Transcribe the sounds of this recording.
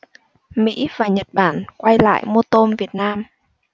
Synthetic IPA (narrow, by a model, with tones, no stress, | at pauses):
mḭ˧˥vaː˨˩ɲə˨˩t̚ɓaː˧˩nkwa˧jla̰ː˧˨jmo˧t̪o˧nvi˨˩ət̚naː˧m